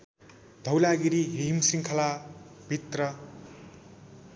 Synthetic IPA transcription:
d̪̥ʱʌwlaɡiɾiɦimsiŋkʰʌlab̥ʱit̪rʌ

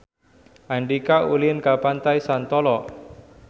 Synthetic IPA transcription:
ʔaɳɖikaulinkapant̪ajsant̪ɔlɔ

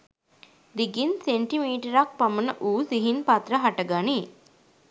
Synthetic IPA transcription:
d̪iɡinseɳʈimiːʈɐɾak̚pɐmɐnɐʔuːsiɦinpɐt̪ɾɐɦɐʈɐɡani

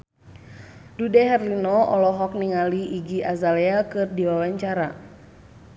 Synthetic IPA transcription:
dudɛɦɛrlinɔɔlɔɦɔk̚niŋaliʔiɡiʔazaleakɨrdiwawaɲt͡ʃaɾa

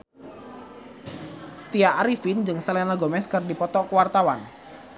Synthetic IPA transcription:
t̪iaʔaɾifind͡ʒɨŋsəlɛnaɡɔmɛskɨrdipɔt̪ɔkwart̪awan

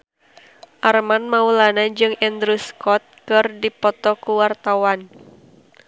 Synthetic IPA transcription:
ʔarmanmaulanad͡ʒɨŋɛnd̪ɾuskɔt̪̚kɨrdipɔt̪ɔkuwart̪awan

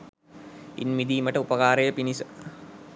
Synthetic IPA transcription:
ḭnʋid̪iːməʈəupəkaːɾəjəpinisə

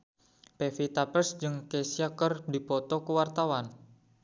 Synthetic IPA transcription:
pefit̪apəsd͡ʒɨŋkesiakərdipɔt̪ɔkuwart̪awan

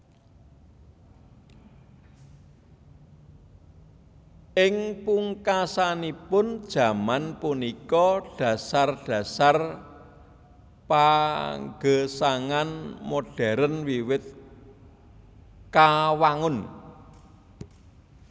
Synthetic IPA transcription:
ʔɪŋpuŋkasanipʊnd̥ʒ̥ä̤manpunikɔɖ̥ä̤sarɖ̥ä̤sar | paŋɡəsaŋanmoɖ̥ɛ̤ɾənwiwɪt̪̚ | kawaŋʊn

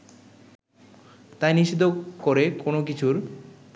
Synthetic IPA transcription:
t̪ajniʃid̪ʱokoɾekonok̬it͡ɕʰuɾ

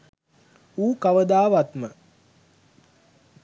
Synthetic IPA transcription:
uːkaʋəd̪aːʋat̪mə

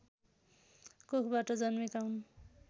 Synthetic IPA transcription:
kokʰbaʈʌd͡zʌnmikawnu

